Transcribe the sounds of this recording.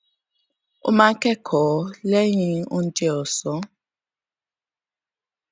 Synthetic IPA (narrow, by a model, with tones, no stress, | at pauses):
ṵ˦ma˦kʰʼɛ˦kʰɔ˨le˦ɲi˦u˦ntʼɔː˨sɔ˨